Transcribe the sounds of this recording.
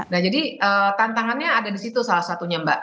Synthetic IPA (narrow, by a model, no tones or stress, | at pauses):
nahd͡ʒadiəːt̪ant̪aŋanɲaːdadisit̪usalahsat̪uɲamba̰ʔ